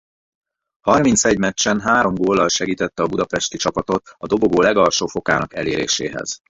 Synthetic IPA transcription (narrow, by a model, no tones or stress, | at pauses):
hɒrmint̪sɛɟmɛt͡ʃːɛnɦaːɾo̞mɡoːlːɒlʃɛɡiːt̪ɛt̪ːɛɒbud̪ɒpɛʃt̪it͡ʃɒpɒt̪o̞t̪ɒd̪o̞boɡoːlɛɡɒlʃoːfo̞ka̰ːnɒkɛlḛːɾḛːʃḛːɦɛ̰z̥